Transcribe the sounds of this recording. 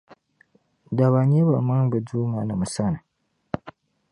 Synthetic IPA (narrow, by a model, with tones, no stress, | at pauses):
da˨βa˨ɲe˦ba˨ma˦ŋba˨duː˦ma˨na˨mu˨sa˦na˨